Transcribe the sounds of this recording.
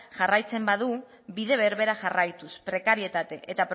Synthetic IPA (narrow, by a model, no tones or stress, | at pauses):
ʝarajt͡se̞mbaðu | biðe̞βe̞ɾβe̞ɾaʝarajt̪uspɾe̞kaɾie̞t̪at̪eʔet̪apɾ